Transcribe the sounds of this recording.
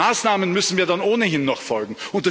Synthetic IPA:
aːsnaːmənmʏsn̩viːɐdanʔoːnəɦɪnːɔχfɔlɡŋ̩ʊnt̚d̥a

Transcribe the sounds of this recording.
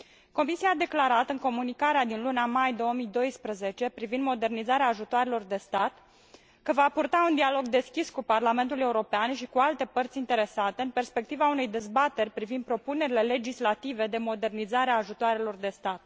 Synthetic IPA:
ko̞misiaːd̪e̞klaɾat̪ɨŋko̞munikaɾead̪inluneamajd̪o̞omijd̪o̞jspɾəze̞t͡ʃe̞pɾivind̪mo̞d̪e̞rnizaɾeaːʒut̪oaɾelo̞rd̪e̞st̪at̪ | kəvapurt̪aund̪ialo̞ɡd̪e̞skʲiskuparlame̞nt̪ule̞uɾo̞peanʃikualt̪e̞pərt̪sʲint̪e̞ɾe̞sat̪e̞ɨnpe̞rspe̞k̚t̪ivaune̞jd̪e̞zbat̪e̞rʲpɾivind̪̚pɾo̞pune̞ɾile̞le̞d͡ʒislat̪ive̞d̪e̞mo̞d̪e̞rnizaɾeaːʒut̪oaɾe̞lo̞rd̪e̞st̪at̪̚

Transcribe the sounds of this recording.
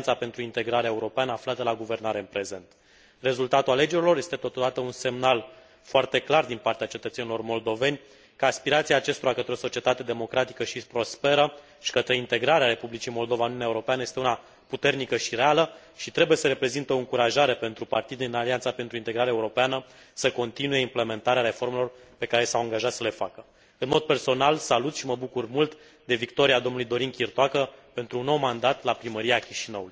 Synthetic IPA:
nt̪sape̞nt̪ɾuint̪e̞ɡɾaɾeaeuɾo̞peanəaflat̪əlaɡuve̞rnaɾe̞ɨnpɾe̞ze̞nt̪ | re̞zult̪at̪uale̞d͡ʒe̞ɾilo̞rje̞st̪et̪o̞t̪od̪at̪əunse̞mnal | foart̪e̞klard̪inpart̪eat͡ʃet̪ət̪senilo̞rmo̞ld̪o̞ve̞nʲ | kəaspiɾat̪siaːt͡ʃe̞st̪oɾakət̪ɾeo̞so̞t͡ʃie̞t̪at̪e̞d̪e̞mo̞kɾat̪i̥kəʃipɾo̞spe̞ɾə | ʃi̥kət̪ɾe̞int̪e̞ɡɾaɾeaɾe̞publit͡ʃimo̞ld̪o̞vaununeaeuɾo̞peanəje̞st̪euna | put̪e̞rnikəʃire̞alə | ʃit̪ɾe̞buje̞səɾe̞pɾe̞zint̪eoɨŋkuɾaʒaɾe̞pe̞nt̪ɾupart̪id̪eɨnaliant̪sape̞nt̪ɾuint̪e̞ɡɾaɾeaeuɾo̞peanə | səko̞nt̪inuje̞imple̞me̞nt̪aɾeaɾe̞fo̞rme̞lo̞r | pe̞kaɾe̞sawaŋɡaʒat̪səle̞fakə | ɨnmo̞d̪̚pe̞rso̞nalsalut̪ʃiməbukurmult̪ | d̪e̞vikt̪o̞ɾiad̪omnulujd̪o̞ɾiŋkʲirt̪oakəpe̞nt̪ɾuunːo̞wmand̪at̪lapɾiməɾiakʲiʃinəwuluj

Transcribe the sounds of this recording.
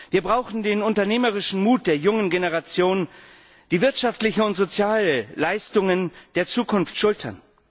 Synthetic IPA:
viːɐbʁaʊxn̩deːnʊntɐneːməʁ̞ɪʃn̩muːt̚d̥eːɐjʊŋənɡenəʁat͡sjoːn | d̥iːvɪɐtʃaftlɪçəʊntz̥ot͡sjaːləlaɪstʊŋənd̥eːɐt͡suːkʰʊnftʃʊltʰɐ̰n

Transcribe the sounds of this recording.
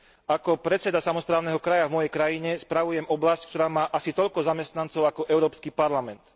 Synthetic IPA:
akɔpɾɛt͡sɛd̪asamɔspɾaːʊnɛːɦɔkɾajavmɔjɛjkɾajiɲɛspɾaʋujɛmɔblasc̚kt̪ɔɾaːmaːʔasit̪ɔʎkɔzamɛst̪nant͡sɔʊakɔʔɛʊɾɔːpskipaɾlamɛnt̪

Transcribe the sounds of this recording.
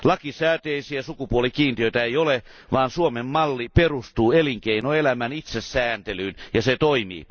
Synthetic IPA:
lɑkisæːt̪eisiæsukupuolikiːnt̪iøit̪æeiole | ʋɑːnsuomemmɑlːiperust̪uːeliŋkeinoelæmænit̪sesːæːnt̪elyːnjɑset̪oimḭː

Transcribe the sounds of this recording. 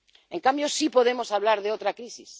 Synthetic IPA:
e̞ŋkambjo̞sipo̞ð̞e̞mo̞saβ̞laɾðeot̪ɾakɾisis

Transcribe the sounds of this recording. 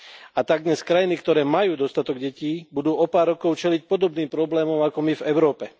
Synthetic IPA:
at̪aɡ̚d̪ɲɛskɾajinikt̪ɔɾɛːmajuːd̪ɔst̪at̪ɔɡɟɛciːbud̪uːɔpaːɾːɔkɔʊt͡ʃɛlic̚pɔd̪ɔbniːmpɾɔblɛːmɔmakɔmivɛʊɾɔːpɛ

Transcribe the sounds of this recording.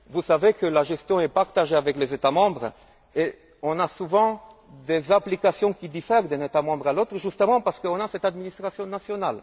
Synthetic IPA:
vusavekəlaʒɛst̪jɔ̃ɛpaʁt̪aʒeavɛklezet̪amɑ̃bʁ | e | ɔ̃nasuvɑ̃d̪ezaplikasjɔ̃kʲid̪ifɛʁd̪ɛ̃net̪amɑ̃bʁalot̪χəʒyst̪əmɑ̃paʁsə̥kəɔ̃nasɛt̪ad̪minist̪χasj̃nasjɔnal

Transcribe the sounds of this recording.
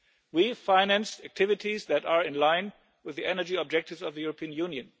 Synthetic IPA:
wifaɪnæ̃nstæk̚tʰɪvɨtʰizðætə˞ɪ̃nlãɪ̃n | wɨðiʔɛnə˞d͡ʒiɔb̚d͡ʒɛk̚tɨvzʌvðɨjuɹəpʰiə̃njũnjɨ̃n

